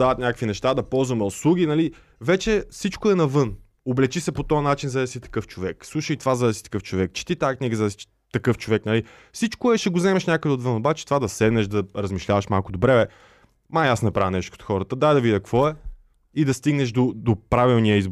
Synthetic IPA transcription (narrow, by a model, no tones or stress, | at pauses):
aɐt̪nɲʲakəkvinɛʃt̪ad̪ɐpɔlˠzvɐmɛoslˠuɡinɐli | vɛt͡ʃɛfsit͡ʃkoɛnɐvɤn | oblɛt͡ʃisɛpot̪ɔɐnat͡ʃinzɐsit̪ɐ̥kɤft͡ʃovɛkslˠuʃəjt̪ovazɐd̪ɐsit̪ɐ̥kɤft͡ʃovɛkt͡ʃɛ̥t̪it̪aːkniɡəzɐsi | t̪ɐkɤft͡ʃovɛknɐli | fsit͡ʃkoɛʃɛɡozɛmɛʃnʲakəd̪ɛot̪vɤnobat͡ʃɛ̥t̪ovad̪ɐsɛd̪nɛʃd̪ɐɾɐzmiʃlʲavɐʃmalˠkʊd̪obɾɛɛ | maasnɐpɾavnɛʃt̪oot̪xɔɾət̪əd̪ajd̪ɐvid̪ʲɐkvɔɛ | id̪ɐst̪iɡnɛʃd̪od̪opɾavilˠniəizb